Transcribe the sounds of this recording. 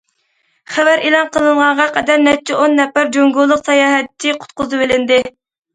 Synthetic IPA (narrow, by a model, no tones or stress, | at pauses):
χævæɾʔelˠɑnqʰəlˠɨɴʁɑɴʁɑqʰɛd̪æɾnɛt͡ʃʰɛonːɛpːæɾd͡ʒoŋɡulˠːəqsɑjɑːɦɛt̪t͡ʃʰːɪqʰʊ̥t̪̚qʊzɨbelɪnd̪ɪ